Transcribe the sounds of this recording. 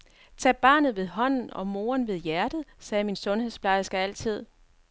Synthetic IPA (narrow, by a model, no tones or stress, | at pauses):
t͡sʰɛ̰ːb̥ɑ̈ːnð̞̩ˠʋe̝ð̞ˠɦɒ̽n̰n̩ɒ̽mo̝ːɐnʋe̝ð̞ˠjæɐd̥ð̩ˠsɛːminsɔ̽nhe̝ðˠsb̥lɑ̈ɪəsɡ̥ææl̰t͡sʰið̞̰ˠ